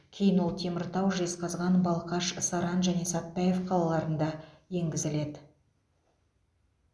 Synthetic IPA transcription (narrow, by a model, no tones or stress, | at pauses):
kʲʰe̞jɪnwolˠt̪ʰe̞mɪɾt̪ɑwʒesqɑzʁɑnbɑlˠqɑʃsɑɾɑnʒæne̞sɑt̪̚pɑje̞fqʰɑlˠɑlˠɑɾənd̪ɑje̞ŋɡʲɪzɪle̞d̪ɪ